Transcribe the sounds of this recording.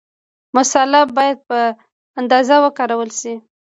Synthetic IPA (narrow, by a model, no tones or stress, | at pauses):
mʊsalabɑjad̪̚pə | and̪ɑzawəkɑɾawəlʃi